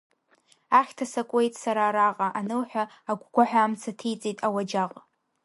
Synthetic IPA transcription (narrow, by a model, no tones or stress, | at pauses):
aχʲtʰasakʷʼe̞jtʼsaɾaːɾaqʼaʔanɨlħʷᶣa | aɡʷɡʷaħʷᶣaːmt͡sʰatʰijt͡sʼitʼawad͡ʒaqʼ